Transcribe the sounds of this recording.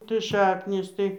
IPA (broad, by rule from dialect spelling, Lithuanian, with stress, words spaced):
tɐɪ ˈʃɑːknʲiːs ˈtɐɪ